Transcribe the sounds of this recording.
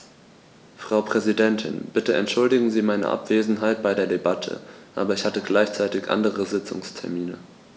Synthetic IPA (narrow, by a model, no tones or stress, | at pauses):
fʁ̥aʊpʁ̥ɛzidɛntʰɪ̰nb̥ɪtəɛ̰ntʃʊldɪɡŋ̩ziːmaɪnə̰ʔa̰pv̥eːzn̩ɦaɪt̚b̥aɪdeːɐdebatʰə̰ʔa̰ːbɐɪçhatəɡlaɪçt͡saɪtɪçʔa̰ndəʁəzɪt͡sʊ̰ŋstʰɛɐmiːnə